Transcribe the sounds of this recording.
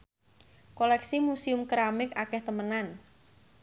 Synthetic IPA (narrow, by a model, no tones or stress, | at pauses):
kolɛksimusiʊmkəɾamɪkakɛht̪əmənan